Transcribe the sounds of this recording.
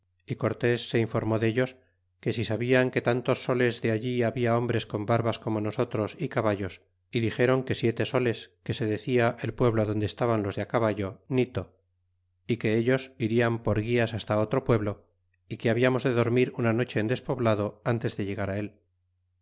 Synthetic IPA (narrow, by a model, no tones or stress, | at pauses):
iko̞ɾt̪e̞sːe̞iɱfo̞ɾmo̞ðeʎo̞s | ke̞sisaβiaŋke̞t̪ant̪o̞sːo̞le̞zðe̞aʎiaβiao̞mbɾe̞sko̞mbaɾβasko̞mo̞no̞so̞t̪ɾo̞sikaβaʎo̞s | iðixe̞ɾo̞ŋke̞sje̞t̪e̞so̞le̞ske̞se̞ðe̞θiaʔe̞lpwe̞βloaðo̞nd̪eːst̪aβanlo̞zðeakaβaʎo̞nit̪o | ike̞eʎo̞siɾiampo̞ɾɣiasast̪ao̞t̪ɾopwe̞βlo̞ | ike̞aβiamo̞zðe̞ðo̞ɾmiɾunano̞t͡ʃe̞ːnd̪e̞spo̞βlað̞o̞ant̪e̞zðe̞ʎe̞ɣaɾae̞l